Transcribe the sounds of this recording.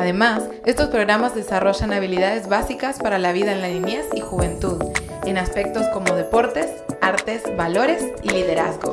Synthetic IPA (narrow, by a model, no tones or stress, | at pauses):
aðe̞mas | e̞st̪o̞spɾo̞ɣɾamazðe̞saro̞ʝanaβ̞iliðaðe̞zβasikaspaɾalaβiðaenlalinjesixuβe̞nt̪uð | e̞naspe̞k̚t̪o̞sko̞mo̞ð̞e̞po̞ɾt̪e̞s | aɾt̪e̞zβalo̞ɾe̞siliðe̞ɾa̰zɣo̰